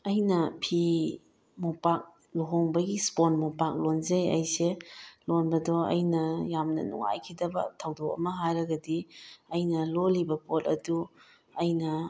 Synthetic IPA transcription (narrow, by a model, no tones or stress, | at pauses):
ɐjnɐpʰi | mupak̚ | loɦoŋbɐɡisponmupak̚lonzejɐ̰jselonbɐdɔɐ̰jnɐjamnɐ̰nṵŋa̰jkʰidɐbɐ̰tʰɐwdok̚ɐ̰mɐɦajɾɐɡɐdiɐjnɐlolibɐpʰotɐ̰du | ɐjnɐ